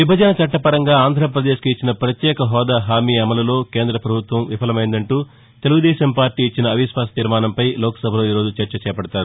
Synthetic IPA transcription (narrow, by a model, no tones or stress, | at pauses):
ʋibʱɐd͡ʒɐnɐt͡ʃɐʈːɐpɐɾɐŋɡaːaːnd̪ʱɾɐp̬ɾɐd̪eːʃkit͡ʃːinɐpɾɐt̪jɛːkɐɦɔːd̪aːɦaːmiːɐmɐlɐlo̞ːke̞ːnd̪ɾɐpɾɐbʱut̪ʋɐmʋipʰɐlɐmɐjind̪ɐɳʈuː | t̪eluɡud̪ɛːʃɐmpaːɾʈiːit͡ʃːinɐːʋisʋaːsɐt̪iɾmaːnɐmpɐjlɔːkɐ̥sɐbʱɐlo̞ːiːɾo̞ːd͡ʒut͡ʃɐɾt͡ʃɐt͡ʃɛːɐpɐɽɐt̪aːɾu